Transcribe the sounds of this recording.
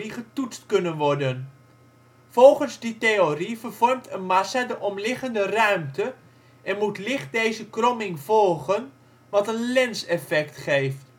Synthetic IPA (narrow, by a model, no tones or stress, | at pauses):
iχətutstkɵnənʋɔɹdən | v̥ɔlˠχənzditejorivərv̥ɔrmtʰənmasadəʔɔmlɪχəndərœɥmtə | ʔɛnmutlɪχt̚dejzəkrɔmɪŋv̥ɔlˠχən | ʋɑtənlɛnsɛfɛktχejft